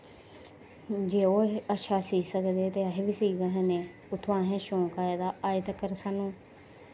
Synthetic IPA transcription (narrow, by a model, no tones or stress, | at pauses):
d͡ʒeːoːətːʃʰaːsiːsəkd̪eːt̪eːaɦebisiːɡəɦẽneː | ʊt̪ʰʋãːɦɛ̃ːʃõːkaːed̪aːaːit̪əkəɾsaːnũː